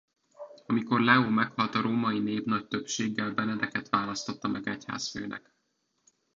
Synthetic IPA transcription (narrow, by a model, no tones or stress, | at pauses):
ɒmiko̞rlɛoːmɛkhɒlt̪ɒɾoːmɒineːbnɒc̚t̪øpʃeːɡːɛlbɛnɛd̪ɛkɛt̪ʋaːlɒst̪o̞t̪ːɒmɛɡɛcha̰ːsfø̰ːnʔɛ̰k